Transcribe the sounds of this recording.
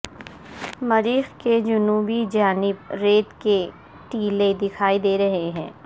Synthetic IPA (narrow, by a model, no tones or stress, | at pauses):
mɐɾiːxked͡ʒʊnuːbid͡ʒaːnɪbɾeːt̪ke | ʈiːled̪ɪkʰaːid̪eːɾɐɦeɦɛ̃ː